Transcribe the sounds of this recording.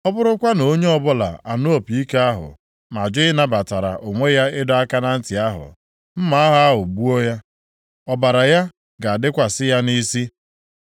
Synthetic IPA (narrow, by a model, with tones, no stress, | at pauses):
ɔ˦bʊ˦ɾʊ˦kʷa˦no˨o˦ɲe˦ɔ˦bʊ˦la̰˨a˨nʊ˦o˦˨pi˨i˦ke˦a˦ɦʊ̰˨ | ma˨d͡ʒɪ˦ɪ˦na˦ba˨ta˨ɾa̰˨ʔo˨ŋʷe˦ja˦ɪ˦dɔ˦a˦ka˦na˦n̩˦tɪ˨a˦ɦʊ̰˨ | m̩˦ma˦ɦʊ˨a˦ɦʊ˨bu˦o˦ja˦ | ɔ˦ba˨ɾa˨ja˦ | ɡa˨a˨dɪ˦kʷa˨sɪ˦ja˦ni˦si˦